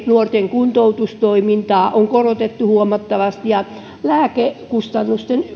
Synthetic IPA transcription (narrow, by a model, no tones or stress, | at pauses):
nuort̪eŋkunt̪out̪ust̪oimint̪ɑːʔoŋkorot̪et̪ːuhuomɑt̪ːɑʋɑst̪ijɑ | læːkekust̪ɑnːust̪en